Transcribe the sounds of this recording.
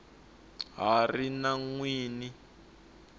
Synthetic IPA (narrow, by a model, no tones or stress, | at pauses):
ɦarinaŋwiːni